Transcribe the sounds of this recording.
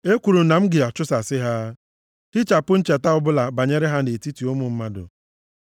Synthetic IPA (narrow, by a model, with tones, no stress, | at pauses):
e˦kʷu˨ɾu˨na˨m̩˦ɡɪ˨a˨t͡ʃʊ˦sa˨sɪ˦ɦa˦ | ti˦t͡ʃa˨pʊ˦n̩˦t͡ʃe˨ta˦ʊ˦bʊ˦la˨ba˨ɲe˦ɾɪ˦ɦa˦ne˨ti˦ti˨o˦mʊ˨m̩˦ma˦dʊ̰˨